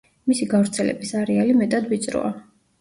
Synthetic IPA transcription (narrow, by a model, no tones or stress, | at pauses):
misiɡavɾt̪sʰɛlɛ̰bisaɾɛalimɛt̪ʼad̪vit̪sʼɾɔ̰a